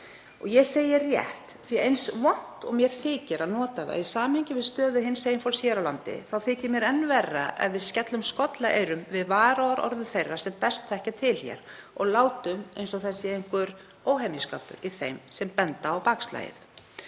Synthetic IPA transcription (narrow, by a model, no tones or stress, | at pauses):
ɔɣjɛseːjɪrjɛ̰ht̪θiaejnsvɔn̥t̪ɔ̰ɣmjɛɾ̥θɪːcɪɾaðnɔːt̪aða̰isaːmhejɲcɪvɪðst̪œːðʏɦɪnseːjɪnfɔlsjɛɾawlant̪ɪ̰θawθɪːcɪɾmjɛɾɛnːvɛrːa̰ʔɛ̰vvɪðscɛt̪lʏmskɔt̪laʔeːjɾʏmvɪðvaːɾaɔɾɔ̰ɾðʏθejrːḁsɛmpɛst̪ʰθɛhcat̪ʰɪlhjɛ̰ɾɔɣlaːwt̪ʏmejnsɔɣθɛsːɪejŋkʏɾ | oːwɦemiska̰ːpʏ̰ɾiθejmsɛmpɛnt̪aːwpaksla̰ːjɪ̰θ